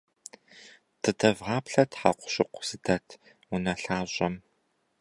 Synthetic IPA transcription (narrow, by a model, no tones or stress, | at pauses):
tʰɨdʰɐvʁɑːpɬɐtħa̰qʷʊ̥ɕɪqʷʊ̥z̥ɨdʰɐtʰ | ʊnɐɬaːɕʼɐm